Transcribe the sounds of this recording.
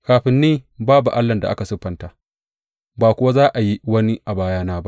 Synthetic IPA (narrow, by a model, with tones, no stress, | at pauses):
kaː˨ɸɪ˨nːiː˦baː˦bu˨ʔa˦lːɐ˨nda˨ʔa˦ka˨sʊ˦ɸɐ˨ntaː˨ | baː˨kʷʊ˦wa˦zaː˦ʔa˨ji˦wɐ˦ni˦ʔa˨baː˦jaː˦naː˦ba˦ʔ